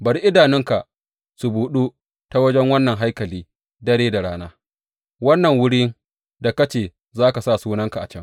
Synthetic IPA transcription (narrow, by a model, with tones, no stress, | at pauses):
bɐ˨ɾi˦ʔɪ˦daː˨nɪ˦ŋka˨ | su˨buː˨ɗu˦ | ta˦wɐ˦d͡ʒɛ˦ŋwɐ˦nːɐ˨ŋɦa˦jkɐ˨liː˦ | dɐ˦ɽeː˦da˨ɽaː˦naː˦ | wɐ˦nːɐ˨ŋwʊ˦ɽiː˦n | da˨kɐ˦t͡ʃeː˨ | zaː˦ka˨saː˦˨suː˦nɐ˦ŋka˨ʔa̰˨t͡ʃɐ˦ŋ